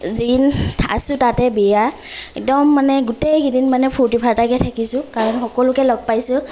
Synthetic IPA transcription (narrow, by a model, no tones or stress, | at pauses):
zintʰa̰sʊtatɛbɛja | ɛk̚dɔmːanɛɡutejɡidinmanɛpʰutipʰaɹtakɛtʰakisʊkaɹɔnxɔkɔlʊkɛlɔɡ̚pajsʊ̃